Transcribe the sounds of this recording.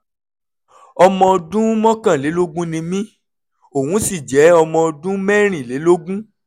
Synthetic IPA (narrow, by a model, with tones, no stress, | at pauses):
ɔ˧mɔ̃˧ɔ˧dũ˦mɔ̃˦kã˦˨le˨˦lo˦ɡũ˦nĩ˧mĩ˦ | o˦˨wũ˨˦si˦˨d͡ʒɛ˨˦ɔ˧mɔ̃˧ɔ˧dũ˦mɛ˦ɾ̃ĩ˦˨le˨˦lo˦ɡũ˦